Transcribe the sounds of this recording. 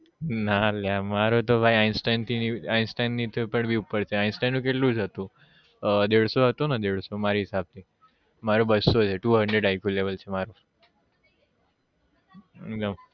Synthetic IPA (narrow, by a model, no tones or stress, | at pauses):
naljamaɾot̪obʱajainsʈajnt̪ʰiniainsʈajnːit̪ʰopəɳbʱiupəɾt͡ʃʰeainsʈajnːũk̬eʈlũd͡zət̪ũ | d̪eɭsoɦət̪onad̪eɭsomaɾiɦisab̚t̪iː | maɾobəsot͡ʃʰeʈuːɦəɳɖɾeɖajkulebəlt͡ɕʰemaɾo | ḛk̚d̪əm